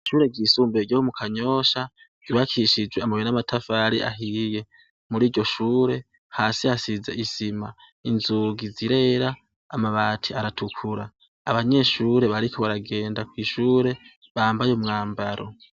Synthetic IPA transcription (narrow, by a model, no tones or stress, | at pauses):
ʃuːɾe̞ɡiːsuːmbeɾɟjoomukʰaɲo̞ːʃa | ɡ̥uβakʰiʃid͡ʒweamaβenamatʰafaɾia̰ɦije̞ | muɾiːɾɟo̞ʃuːɾe̞ | haːsiasize̞ʔisima | inzuɡiziɾe̞ːɾaː | maβaːtʰiaɾatʰukʰuɾaː | βaɲe̞ʃuːɾe̞βaɾikʰoβaɾaɡe̞ːndakwiːʃuːɾe̞ | βaːmbajeumŋaːmbaɾʔo̞̰